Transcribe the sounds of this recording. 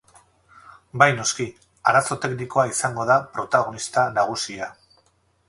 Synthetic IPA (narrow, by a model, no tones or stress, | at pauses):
bajno̞ski | aɾaso̞t̪e̞kniko̞aisaŋɡo̞ð̞apɾo̞t̪aɣ̞o̞nist̪anaɣ̞usia